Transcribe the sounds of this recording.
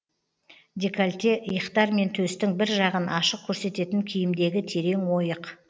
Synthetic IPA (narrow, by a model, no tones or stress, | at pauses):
d̪ekalʲt̪ejəqt̪ɑɾme̞nt̪ʰɵst̪ɪŋbɪɾʒɑʁənʔɑʃəq̚kʲʰɵɾse̞t̪e̞t̪ɪŋkʲʰijɪmd̪e̞ɡʲɪt̪ʰe̞ɾe̞ŋwo̞jəq